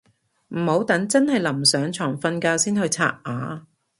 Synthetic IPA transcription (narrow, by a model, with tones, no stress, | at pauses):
m̩˨˩ho˨˥wt̪ɐ˨˥ŋt͡sɐ˥nhɐ˨jlɐ˨˩msœː˨˥ŋt͡ʃʰɔː˨˩ŋfɐ˧nkaː˧wsiː˥nhɵ˧ɥt͡sʰa̰ː˧˥t̚ʔaː˨˥